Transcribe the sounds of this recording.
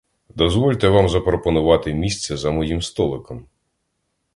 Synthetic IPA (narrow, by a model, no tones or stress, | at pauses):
d̪ɔzʋɔlʲt̪ɛʋɑmzɐpɾɔpɔnʊʋɑt̪ɪmʲisʲt͡sʲɛzɐmɔjimst̪ɔlˠɪkɔm